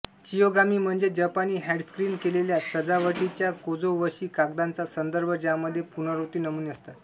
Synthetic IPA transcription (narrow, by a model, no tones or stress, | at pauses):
t͡ɕijoɡamiːm̤əɳd͡zed͡ʑəpaniːɦɛɽskɾiːnkeleljasəd͡zaʋəʈit͡ɕjakod͡zoʋəɕiːkak̚d̪ant͡sasənd̪əɾbʱəd͡ʑaməd̪ʱːjepunəɾot̪iːnəmuːniəst̪at̪